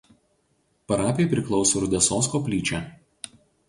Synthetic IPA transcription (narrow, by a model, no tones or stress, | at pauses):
pɐɾɑːpʲepʲɾʲɪklˠɒʊsoːɾʊd̪ʲɛsoːskoːpʲlʲiːt͡ʃʲæˑ